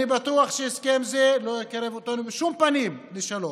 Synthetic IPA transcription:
ibat̪uaχʃeiskemzelojekaɾevot̪anubeʃumpanimliʃalo

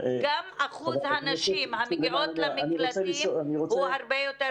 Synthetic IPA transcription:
ɡamaχulazhaːnaʃimhamiɡʔot̪laminiloat͡sɛliioaniʁot͡suɛhaʁbejote

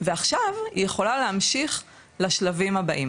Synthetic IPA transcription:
veaχʃavhḭjeχo̞laleamʃiχ | laʃlavimhabaʔim

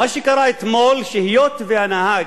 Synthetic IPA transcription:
maʃikaɾˤaɪt̪molʃɪhijot̪veanahaɡ

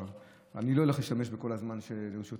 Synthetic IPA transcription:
a̰niloeleχleʃt̪ameʃbeko̞lazmanʃeʃot

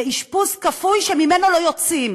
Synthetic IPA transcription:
iʃpuskafujʃemime̞nolo̞jot͡sim

